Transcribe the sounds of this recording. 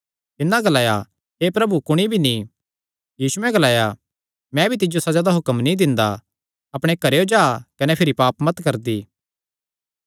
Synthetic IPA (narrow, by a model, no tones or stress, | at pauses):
t̪ɪnːãɡɐlaːja | ɦepɾɐbukʊɽ̃ibʱinĩ | jiːsuɛ̃ɡɐlaːja | mɛ̃bʱit̪̬ɪd͡ʒosɐd͡ʒad̪aɦʊkəmnid̪ɪ̃nd̪a̰ | ɐpɽ̃ekɐɾeod͡ʒaːkɐnɛpʰɪɾipaːpmɐt̪kɐɾd̪iː